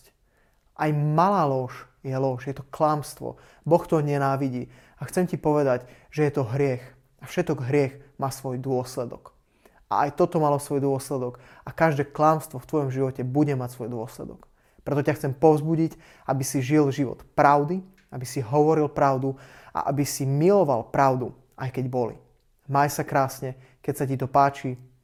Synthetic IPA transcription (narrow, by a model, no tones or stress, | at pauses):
ʔajmalaːlɔːʃ | jɛlɔʃjɛt̪ɔklamst̪ʋɔ̰ | bɔxt̪ɔɲɛnaːʋiɟiː | axt͡sɛmcipɔʋɛd̪aɟ | ʒɛjɛt̪ɔɦɾɪɛx | afʃɛt̪ɔɡɦɾɪɛxmaːsʋɔjd̪ʊɔslɛd̪ɔ̰k | ʔa̰ʔajt̪ɔt̪ɔmalɔsʋɔjd̪ʊɔslɛd̪ɔkakaʒd̪ɛːklamst̪ʋɔft̪ʋɔjɔmʒiʋɔcɛbuɟɛmacsʋɔjd̪ʊɔslɛ̰d̪ɔk | pɾɛt̪ɔcaxt͡sɛmpɔʊzbuɟic | ʔabisiʒilʒiʋɔ̰t̪pɾaʊd̪i | abisiɦɔʋɔɾilpɾaʊd̪u | a̰ʔabisimilɔʋalpɾaʊd̪u | ajkɛɟbɔlḭ | majsakɾaːsɲɛ | kɛcsacit̪ɔpaːt͡ʃi